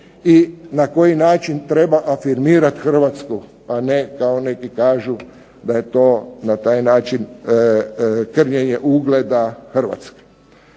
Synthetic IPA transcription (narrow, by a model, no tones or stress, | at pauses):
inako̞jinaːt͡ʃint̪ɾe̞baʔafiɾmiːɾat̪xr̩ʋat̪sku | anekaone̞kikaːʒu | d̪aje̞t̪oːnat̪aːjnaːt͡ʃin | kr̩ɲeɲeʔuɡled̪axər̩ʋa̰t̪ske̥